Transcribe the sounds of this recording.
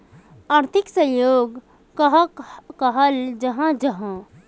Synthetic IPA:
aɾt̪ʰiksə̃joːɡ | kəɦkəɦəld͡ʒəɦãd͡ʒəɦã

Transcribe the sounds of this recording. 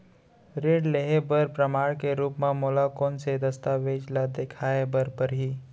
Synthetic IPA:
ɾeːɽleɦebəɾpɾəmaːɽkeɾuːpmãmoːlakoːnsed̪əst̪aːʋeːd͡ʒlad̪eːkʰaːebəɾpəɾɦiː

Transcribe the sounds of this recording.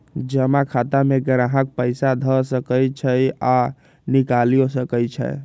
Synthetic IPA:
d͡ʒəmakʰat̪ameɡəɾaɦək̚pəɪsad̪ʱəsəkəjt͡ʃʰəja | nikalijosəkət͡ʃʰə̰j

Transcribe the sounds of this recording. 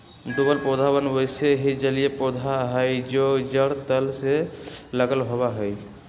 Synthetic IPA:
ɖubəlpɔd̪ʱabənbɔjseɦid͡ʒəlijepɔd̪ʱaɦəjd͡ʒod͡ʒəɽt̪əlseləɡəlɦɔbaɦɔj

